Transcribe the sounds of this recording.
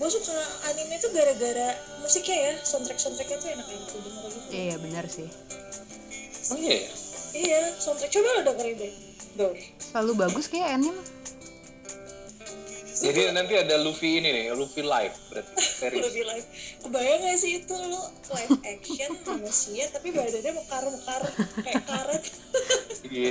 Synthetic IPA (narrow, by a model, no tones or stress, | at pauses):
bosʊk̚saaanimɲat̪uɡaɾaɡaɾa | musɪkɲajasɔnt̪ɾɛk̚sɔnt̪ɾɛk̚ɲat̪uenak̚ant̪udiŋɾaɡit̪jabənərsɪh | ojaijasɔnt̪ɾɛk̚t͡ʃobalɔhdat̪əɾibɛ | doɾsəlalubaɡʊskajaɛnɲa | d͡ʒd͡ʒadinant̪iadalufiːninɪlufilaɪfbəɾat̪̚teɾilufilaɪfkəbajaŋlasɪːt̪ulɔklajɛkʃəkomosiat̪ːapibaadadiaməkaɾəməkaɾəkajakaɾət̪ | i